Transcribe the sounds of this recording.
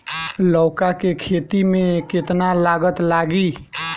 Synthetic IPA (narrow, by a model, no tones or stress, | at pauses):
ləwkakekʰet̪imeket̪nalaɡət̪laɡi